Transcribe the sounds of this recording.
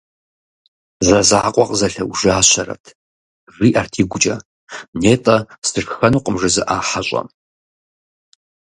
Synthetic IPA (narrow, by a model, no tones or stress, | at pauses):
zɐzaːqʷʼɔqʼzɐɬɐwuʒɨaːɕʷʰɐrɐ̰tʰ | riːʔartʰiːɡʷʊt͡ʃʼɐ | neːtʼɐstʰɨrkxɐnuːqʼəmʐɨzɨʔaːħaɕʷʼɐ̰